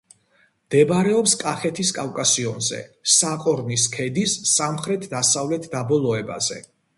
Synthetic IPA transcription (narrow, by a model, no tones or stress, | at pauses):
md̪̥ɛbaɾɛɔpskʼaχɛt̪ʰiskʼafkʼasiɔnzɛ̰saqʼɔɾniskʰɛd̪isːamχɾɛt̪ʰd̪asavlɛt̪ʰd̪abɔlˠɔɛba̰zɛ̰